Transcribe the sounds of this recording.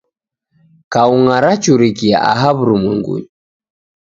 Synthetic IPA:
kauŋaɾat͡ʃuɾikia̰ʔa̰ɦaβɾumiŋɡṵɲi

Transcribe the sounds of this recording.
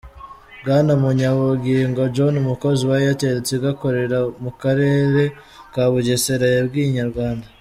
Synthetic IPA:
bɡanamuɲaβuɡiːŋɡod͡ʒo̞numuko̞ziwajijateɾet͡seɡako̞ɾe̞ɾamukaɾe̞ːɾe̞ | kaβuɟeseɾajebɡiːɲaɾɡwaːnda

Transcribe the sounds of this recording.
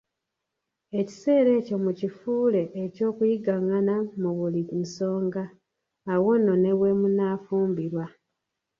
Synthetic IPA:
e̞ci̥se̞ːɾe̞ːco̞mucifuːle̞ʔːco̞ːkujiɡaŋanamuβulinso̞ːŋɡaː | wo̞nːo̞ne̞we̞munaːfuːmbiɾwa

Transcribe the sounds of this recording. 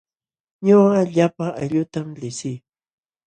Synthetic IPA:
ɲoɢɑʎapaajʎʊt̪amlɪsɪj

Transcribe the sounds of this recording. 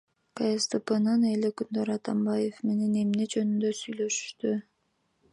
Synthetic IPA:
kajest̪ɨpɯnɯnelekynd̪øɾɑt̪ɑmbajefme̞ne̞ne̞mned͡ʒø̞nynd̪øsyjlø̞ʃy̥ʃt̪y

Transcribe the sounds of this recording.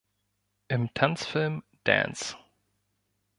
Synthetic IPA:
ʔɪmtʰansfɪlm | d̥ɛ̰̃ns

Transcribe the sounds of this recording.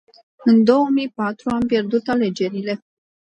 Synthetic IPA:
ɨnd̪o̞womijpat̪ɾuampje̞rd̪ut̪ale̞d͡ʒe̞ɾile̞

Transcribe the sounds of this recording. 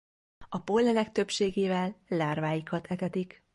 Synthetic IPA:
ɒpolːɛnɛk̚t̪ø̞pʃeːɡeːvɛlːaːrvaːjikɒt̪ɛt̪ɛt̪ik

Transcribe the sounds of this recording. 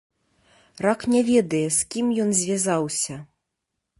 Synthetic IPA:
raknʲɛvʲɛd̪ɐjɛskʲimjɔnzʲvʲazawsʲɐ

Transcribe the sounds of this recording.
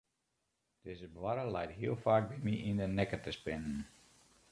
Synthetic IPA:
d̥ezəbʋaɾəlɛjtɦiəlˠfaːk̚bimiʔindənɛkətəspɪnən

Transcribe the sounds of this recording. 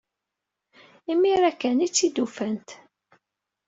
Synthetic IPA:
imːiɾækːænit͡sːid̪ufænt̪

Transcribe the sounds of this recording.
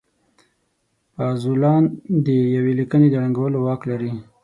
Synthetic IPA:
pɑzulɑnd̪əjawelikəned̪əɾaŋɡawəlowɑklaɾi

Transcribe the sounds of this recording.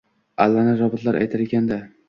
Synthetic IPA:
alːanɪɾɒbɪt̪laɾʔa̰jt̪ʰɪɾɪɡʲand̪a

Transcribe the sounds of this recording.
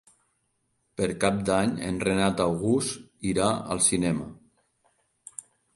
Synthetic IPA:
pəɾkap̚d̪aɲə̰nrenat̪awɣust̪iɾaə̰lˠsinɛmə̰

